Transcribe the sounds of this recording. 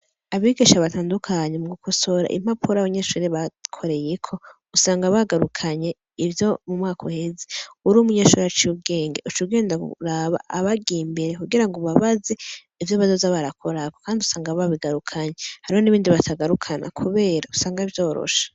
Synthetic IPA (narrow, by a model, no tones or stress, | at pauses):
aβiɡiʃaβataːndukʰaɲemuɡukʰoso̞ɾa̰ʔḭm̥apʰuɾaβaɲeːʃuɾeβakʰo̞ɾe̞je̞kʰo̞ | usaːŋɡaβaɡaɾukʰaɲe̞ | ivjo̞mumŋaːkʰohe̞zeuɾumuɲeʃuɾet͡ʃuːbɡe̞ːŋɡe̞ut͡ʃuɡe̞ːndaɡṵɾaβa̰ʔːβaɡiːmbe̞ɾekuɡiɾaŋɡo̞βaβaze̞ | ivjoβazozaβaɾakʰo̞ɾakokaːndiusaːŋɡaβaβiɡaɾukʰaɲehaɾihoniβiːndiβatʰaɡaɾukʰana̰kʰuβe̞ːɾausaːŋɡaivjo̞ːɾo̰ʃḁ